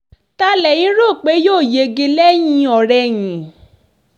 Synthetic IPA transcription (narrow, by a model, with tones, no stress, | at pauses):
ta˦lɛ˨j̃ĩ˨˦ɾo˦˨k͡pe˨˦joː˦˨je˧ɡe˧lɛ˦j̃ĩ˧ɔ˨ɾɛ˧jĩ˨